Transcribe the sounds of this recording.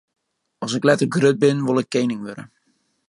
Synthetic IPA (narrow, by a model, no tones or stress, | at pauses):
ɔsɪklɛtəɡrød̚bɪnʋʊlˠɪkːejnɪŋʋøɾə̰